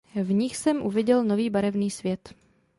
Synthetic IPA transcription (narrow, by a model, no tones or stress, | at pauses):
vɲɪxsɛmʔuvɪɟɛlno̞viːbaɾɛvniːsvjɛt̪